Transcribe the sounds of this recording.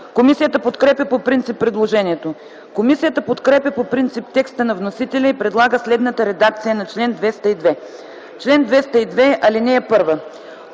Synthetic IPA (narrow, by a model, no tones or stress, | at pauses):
komisijət̪əpot̪kɾɛpʲɐpopɾint̪sipːɾɛd̪lˠoʒɛniɛt̪o | komisijət̪əpot̪kɾɛpʲɐpopɾint̪sip̚t̪ɛkst̪ənɐvnosit̪ɛlʲɐipɾɛd̪lˠaɡəslɛd̪nət̪əɾɛd̪ak̚t̪sijənɐt͡ʃlɛnd̪vɛst̪əid̪vɛ | t͡ʃlɛnd̪vɛst̪əid̪vɛɐlinɛːpɤɾvə